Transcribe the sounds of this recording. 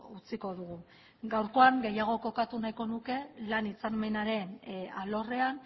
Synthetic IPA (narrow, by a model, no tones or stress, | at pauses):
ut͡siko̞ðuɣ̞u | ɡawɾko̞aŋɡe̞jaɣ̞o̞ko̞kat̪unajko̞nuke̞lanit͡same̞naɾe̞nalo̞re̞an